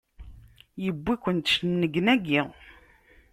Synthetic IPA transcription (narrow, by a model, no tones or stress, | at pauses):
jəbːikʷːənt̪ʃnːəɡnæɡi